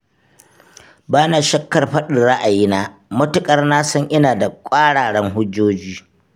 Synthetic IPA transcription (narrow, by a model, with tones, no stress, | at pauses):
baː˦na˨ʃɐ˦kːɐ˨rɸɐ˦ɗɪ˨nɽɐ˦ʔa˨jiː˦naː˦mʊ˦tʊ˨kʼɐ˦rnaː˦sɐ˦ɲʔɪ˦naː˨da˨kʷʼaː˦ɽaː˨ɽɛ˦ŋɦʊ˦d͡ʒːoː˦d͡ʒiː˦